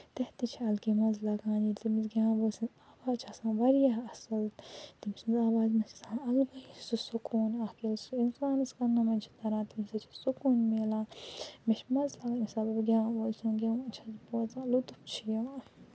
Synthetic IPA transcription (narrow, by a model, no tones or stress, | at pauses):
t̪ɛht̪it͡ʃʰiɐlkimɐzlɐɡãːnit̪imizɡʲãːboːsĩnzaːʋaːzt͡ʃʰasãːʋɐɾijaɐsɐlt̪imsinzaːʋaːzmɐst͡ʃʰi̥sãːɐlmɐisusukʰuːnakilsuinsaːnɨskɐnːɐmɐnt͡ʃʰi̥t̪ɐɾãːt̪imsɐt͡ʃʰi̥sukuːnmelãːmet͡ʃmɐzlɐɡãːnisɐbɐbɡʲãːolsʰãɡʲãːut͡ʃʰɐzbozãːlut̪upt͡ʃʰijɐãː